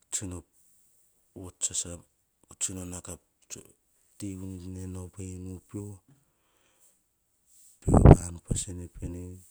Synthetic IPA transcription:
t͡ʃino | ot͡ʃasa | ot͡ʃinonakap | tiunnenopejnupio | pḛɾa̰nupasenepʰeni

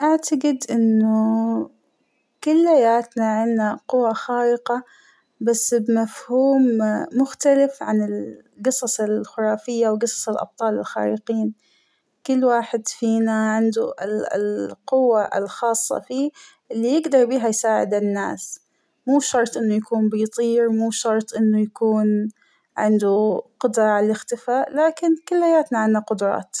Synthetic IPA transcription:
ʔaʕt̪aɡɪd̪ʔɪnːʊ | kʊlːħajaːt̪naʕɪnːaqʊwːaxaːʔɪqɑ | basːbmafhuːmːʊxt̪alɪfʕanɪl | ɡɨsˤɑsˤɪlxʊɾˤɑːfɪjːawɡɨsˤɑ̥sˤɪlʔɑ̰b̚t̪ˤɑːlɪlxa̰ːɾḭqiːn | kʊlːwaːħɪd̪fiːnaʕɪnd̪uʔɪlɪ̰lqʊwːaʔɪ̰lxɑːsˤːɑ̰fiː | ʔɪlːijɪɡd̪ɑɾˤbiːɦajsaːʕɪ̰d̪ɪnːa̰ːs | muːʃɑɾˤt̪ˤʔɪnːujakuːnbiːt̪ˤiːɾmuːʃɑɾˤt̪ˤʔɪnːujakuːn | ʕɪnd̪uqʊd̪ɾˤɑʕalaɪxt̪ɪfaːʔlaːkɪnkʊlːhajaːt̪naʕɪnːaqʊd̪ʊɾˤɑ̰ːt̪

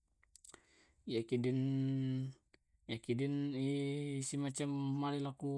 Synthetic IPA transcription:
jakidin | jakidinisimat͡ʃamːalilaku

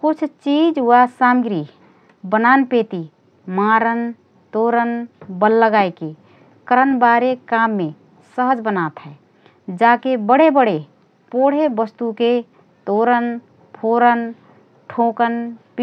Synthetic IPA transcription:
kʊt͡ʃʰt͡ʃid͡ʒwasamɡɾi | bənanpeːt̪i | maɾən | t̪oɾənbəlːəɡaeke | kəɾənbaːɾekamːe | səɦəd͡ʒbənat̪ɦɛː | d͡ʒaːkebəɽ̤ebəɽ̤e | poɽ̤ebəst̪uke | t̪oɾən | pʰoɾən | ʈʰõkənp

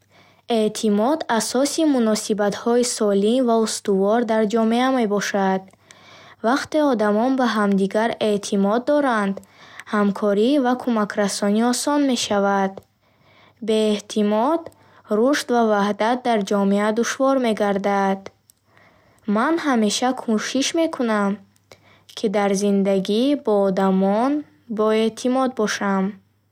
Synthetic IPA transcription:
e̞t̪ʰimɔd̪asɔsimunɔsibat̪hɔisɔlinvaust̪uvɔɾd̪aɾd͡ʒɔmeame̞bɔʃad̪ | vaqt̪e̞ɔd̪amɔnbaɦamd̪iɡaɾe̞t̪ʰimɔd̪ːɔɾand̪hamkʰɔɾivakʰumakʰɾasɔniɔsɔnme̞ʃavad̪ | be̞ːht̪ʰimɔd̪ | ɾuʃt̪vavahd̪at̪̚d̪aɾd͡ʒɔmead̪uʃvɔɾme̞ɡaɾd̪ad̪̥ | manɦame̞ʃakʰuʃiʃme̞kʰunam | kʰid̪aɾzind̪aɡibɔːd̪amɔn | bɔe̞t̪ʰimɔd̪̚bɔʃam

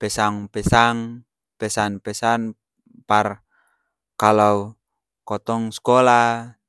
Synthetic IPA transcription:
pɛsaŋpɛsaŋ | pɛsanpɛsan | par | kalau | kɔt̪ɔŋskɔla

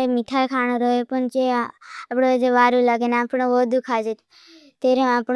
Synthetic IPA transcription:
emit̪ʰajkʰañoɾoɦepəɳt͡ʃeapɽod͡ʒeʋaːɾũlaɡeneapɽoʋod̪ukʰad͡ʒe | t̪eɾeapɳ

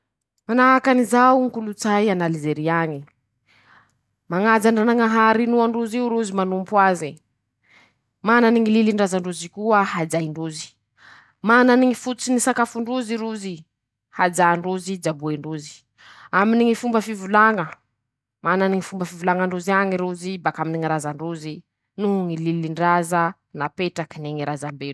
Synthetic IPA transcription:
manaakanizauŋkulut͡sajanalizeɾiaɲi | maŋad͡zaɳɖ͡ʐanaŋaɦaɾinuaɳɖ͡ʐuziuɾuzimanumpwazi | mananiŋililiɳɖ͡ʐazaɳɖ͡ʐuzikuəhad͡ʒajiɳɖ͡ʐuzi̥ | mananiŋifut͡sinisakafuɳɖ͡ʐuziɾuzi | had͡ʒaɳɖ͡ʐuzid͡ʒabueɳɖ͡ʐuzi̥ | aminiŋifumbəfivulaŋə | mananiŋifumbəfivulaŋəɳɖ͡ʐuziaɲiɾuzibakaminiŋiɾazaɳɖ͡ʐuzi | nuɦuŋililiɳɖ͡ʐazə | napeʈ͡ʂakineŋiɾazambelu̥

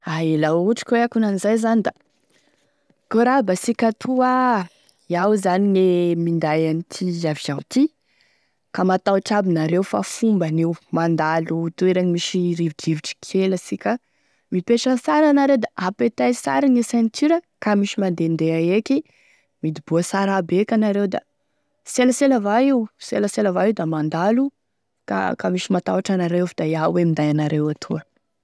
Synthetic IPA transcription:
aelauʈ͡ʂi̥kʲweakunanizajzanid̪a | koɾabasikʲat̪ʰua | iawzaninemind̪ajanit̪ʰizaviz̥aw̪t̪i | kamat̪awʈ͡ʂabinaɾewfa̰fumbaniwmand̪alut̪ueɾeɲimiʃiɾiviɖ͡ʐiviʈ͡ʂi̥kʰeləsikʲə | mipeʈ͡ʂəsaɾanaɾewd̪aʔapet̪ajsa̰ɾinisent̪ʰyɾəkamiʃimand̪end̪eaekʲi | mid̪ibuəsaɾabekʲanaɾewd̪a̰ | seləseləvaiwseləselavaiwd̪amand̪alu | ka̰kamiʃimat̪aaʈ͡ʂanaɾewfid̪ajawemind̪ajanaɾewat̪ʰuə

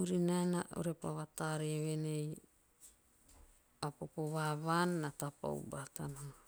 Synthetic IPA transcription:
uɾinaena̰ʔṵɾepaβataɾieβenej | apopoβaβanːatapa̰ṵbatana

